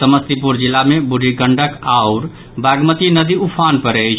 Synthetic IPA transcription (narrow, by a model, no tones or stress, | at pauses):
t̪əməst̪ɾipuɾd͡ʒilamebuɖʱiɡəɳɖəkaʊɾ | baɡmət̪inəd̪iupʰanpəɾəjt͡ʃʰ